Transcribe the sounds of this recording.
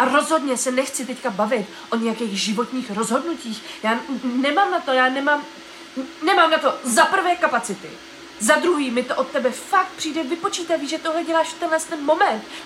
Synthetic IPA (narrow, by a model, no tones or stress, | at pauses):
ʔaɾo̞zɦo̞dɲɛsɛnɛxt͡sɪt̪ɛckabavɪt̪ | ʔo̞ɲɛjakɛjxʒɪvo̞t̪ɲiːxɾo̞zɦo̞dnuciːxjaːnɛmaːmnat̪o̞jaːnɛmaːm | nɛmaːmnat̪o̞zapr̩vɛːkapat͡sɪt̪ɪ̰ | zad̪ɾuɦiːmɪt̪oʔo̞t̪t̪ːɛbɛfak̚t̪̚pr̥iːdɛvɪpo̞t͡ʃiːt̪aviːʒɛt̪oɦlɛɟɛlaːʃft̪ɛnɦlɛst̪ɛnmo̞mɛnt̪